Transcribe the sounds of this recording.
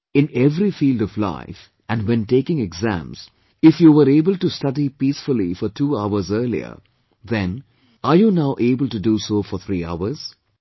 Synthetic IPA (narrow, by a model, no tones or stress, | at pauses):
ɪ̃nɛʋɾifiːlɖɔʋla̰ɪf | ʔæ̃nɖwɛ̃nʈeːkɪ̃ŋɛɡzæ̰̃mz̥ | ɪfjuːʋəɾeːbəlʈustʌdipiːsfʊlifɔɾʈʰuːaʊəzəɾlḭə̰ | ðɛ̃n | aɾjuːnaʊʔeːbəlʈuduːsoːfɔɾt̪ʰɾiːa̰ʊəɾz̥